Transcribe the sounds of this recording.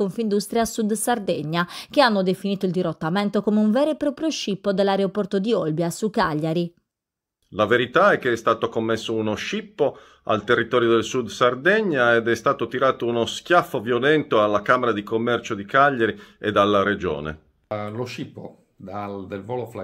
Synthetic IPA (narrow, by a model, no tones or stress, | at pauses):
oɱfind̪ust̪ɾjasud̪sard̪ɛɲːak̟eanːod̪efiniːt̪oild̪iɾot̪ːamɛnt̪okomeuɱvɛːɾepɾɔpɾjoʃipːod̪elːaɾeopɔrt̪od̪iɔlbjasukaʎːaɾi | laveɾit̪aɛkːeɛst̪aːt̪okomːesːounoʃipːo | a̰lt̪erːit̪ɔːɾjod̪elsud̪sard̪ɛɲːaed̪ɛst̪aːt̪ot̪iɾaːt̪ounosk̟jafːovjolɛnt̪oalːakaːmeɾad̪ikomːɛrt͡ʃod̪ikaʎːaɾied̪alːaɾed͡ʒɔ̰ːnḛ | loʃipːo̰ | d̪ad̪elvɔlofla